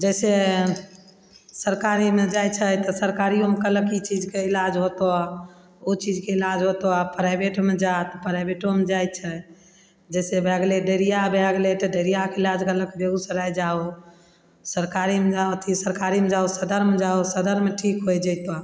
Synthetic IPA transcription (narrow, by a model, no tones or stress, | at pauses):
d͡ʒɛjse | səɾkaɾimed͡ʒajt͡ʃʰəjt̪ɔsəɾkaɾijomekələkit͡ʃid͡ʒkeilad͡ʒɦot̪o | ot͡ʃid͡ʒkeilad͡ʒɦot̪oapɾajbeʈmed͡ʒat̪ɔpɾajbeʈomed͡ʒajt̪̚t͡ʃʰə | d͡ʒɛsebʱɛɡleɖəɾijabeaɡlet̪ɔɖəɾijakeilad͡ʒkələkbeɡusəɾajd͡ʒao | səɾkaɾimed͡ʒaot̪ʰisəɾkaɾimed͡ʒaosəd̪əɾmed͡ʒaosəd̪əɾmeʈʰikɦojd͡ʒəjt̪ɔ